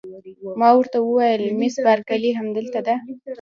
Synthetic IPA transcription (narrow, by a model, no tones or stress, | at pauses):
mɑwəɾt̪awəwɑjəlmɪsbaɾkaliɦamd̪əlt̪ad̪a